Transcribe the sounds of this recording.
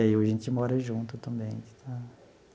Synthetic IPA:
aiʊaʒẽnt͡ʃɪmɔɾɐʒũnt̪ʊt̪ɐ̃mbẽj̃t̪ʰa

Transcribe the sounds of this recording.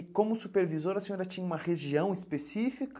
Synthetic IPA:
kõmʊsupeɾvizoɾɐsẽɲoɾɐt͡ʃĩɲɐũmɐʁeʒiɐ̃w̃ispesifik

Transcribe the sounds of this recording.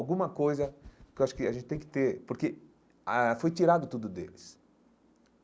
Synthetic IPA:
wɡũmɐkojzɐkɪewaʃʊ̥kɪaʒẽnɪ̥t̪ẽj̃kɪ̥t̪eɾpoɾke | afojt͡ʃ̪iɾad̪ʊt̪ud̪ʊd̪ḛlɪs

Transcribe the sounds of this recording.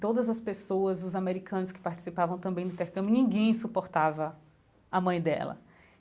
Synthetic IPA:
t̪od̪ɐzɐspesoɐzʊzameɾikʰɐ̃nʊskɪ̥paɾt͡ʃi̥sipavɐ̃w̃t̪ɐ̃mbẽj̃d̪ʊĩt̪eɾkɐ̃mjʊnĩŋɡẽj̃supoɾt̪avɐ | ɐmɐ̃j̃d̪ɛ̰lɐ̰

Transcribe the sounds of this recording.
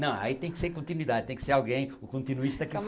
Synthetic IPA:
nɐ̃w̃ɐ̰it̪ẽj̃kseɾkõnt̪inwiðad̪t̪ẽj̃kseɾalˠɡẽj̃ukõnt̪inuiʃt̪ɐkɛl

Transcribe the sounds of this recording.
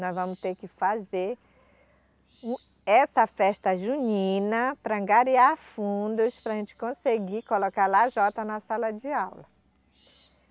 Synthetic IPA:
nɔ̃zvɐ̃mʊst̪eɾkɪfazeɾ | ũ | ɛsɐfɛʃt̪ɐʒuɲĩnɐpɾɐ̃ɡaɾiaɾfũd̪ʊspɾɐʒẽnt͡ʃɪ̥kõseɡikolokaɾlaʒɔt̪ɐnɐsalɐd͡ʒɪawlɐ

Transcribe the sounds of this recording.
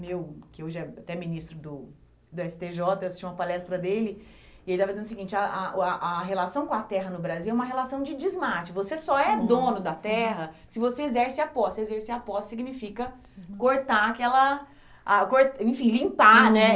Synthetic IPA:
mewkɪoʒɛat̪ɛminist̪ɾʊd̪ʊ | d̪ʊɛsɪ̥t̪eʒɔt̪ɐewasi̥ʃt͡ʃiũmɐpalɛst̪ɾɐd̪elɪ | iait̪avɐd͡ʒizẽnʊsɪɡĩnt͡ʃɪɐʔaaʔaɦelasɐ̃w̃kõat̪ɛɦɐnʊbɾaziwɛumɐɦelasɐ̃w̃d͡ʒɪd͡ʒizmat͡ʃɪvosesɔɛd̪õnʊd̪ɐt̪ɛɦɐsɪvoseezɛɾsɪapɔsezeɾseapɔssiɡinifikɐ | koɾt̪aakɛlɐ | akoɾt̪ẽfĩlĩpanɛ

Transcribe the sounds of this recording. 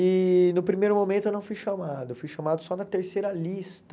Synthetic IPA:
ɪnʊpɾimejɾʊmomẽt̪ʊewnɐ̃w̃fujʃɐmad̪ʊewfujʃɐmad̪ʊsɔnɐt̪eɾsejɾɐlist̪ɐ

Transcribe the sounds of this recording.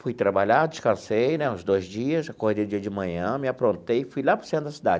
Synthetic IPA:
fujt̪ɾabaʎad͡ʒɪskɐ̃sejnɛũzd̪ojzd͡ʒiɐsakohd̪ejʊd͡ʒiɐd͡ʒɪmɐ̃ɲɐ̃mɪapɾõnt̪ejfujlapɾɐ̥sẽmɐd̪ɐsid̪a̰d͡ʒɪ

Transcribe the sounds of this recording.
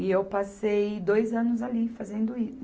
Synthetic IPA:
ɪewpasejd̪ojzɐ̃nʊzalifazẽnd̪ʊi

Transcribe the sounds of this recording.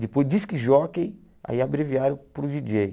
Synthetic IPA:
d̪ɪpojzd̪iskɪʒɔkẽj̃ | a̰iabɾeviaɾõpɾʊʒid͡ʒej

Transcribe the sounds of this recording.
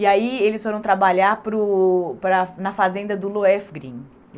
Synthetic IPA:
iaielɪsfoɾɐ̃w̃t̪ɾabaʎaɾpɾʊpɾɐnɐfazẽnd̪ɐd̪ʊloɛfɡɾĩ

